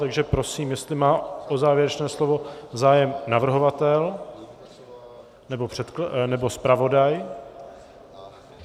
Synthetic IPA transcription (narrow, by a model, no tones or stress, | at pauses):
t̪aɡʒɛpɾo̞siːmjɛst̪lɪmaːʔozaːvjɪɛɾɛt͡ʃnɛːslo̞vo̞zaːjɛmnavr̩ɦo̞vat̪ɛl | nɛbo̞pr̝̥ɛt̪knɛbo̞spɾavo̞daj